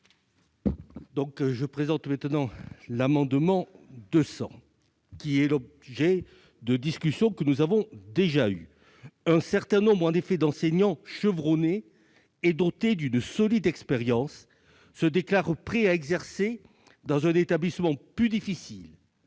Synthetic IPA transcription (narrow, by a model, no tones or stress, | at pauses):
d̪ɔ̃kʒəpχezɑ̃t̪mɛ̃t̪nɑ̃lamɑ̃d̪mɑ̃d̪əsɑ̰̃ | kʲiɛlɔb | ʒɛ | d̪əd̪iskʲysjɔ̃kənuzavɔ̃d̪eʒay | ɛ̃sɛʁt̪ɛ̃nɔ̃bʁɑ̃nefed̪ɑ̃sɛɲɑ̃ʃəvʁɔneː | d̪ɔt̪ed̪ynsɔlid̪ɛkspeʁjɑ̃sː | əd̪eklaʁpχɛaɛɡzɛʁse | d̪ɑ̃zɛ̃net̪ablismɑ̃plyd̪ifisil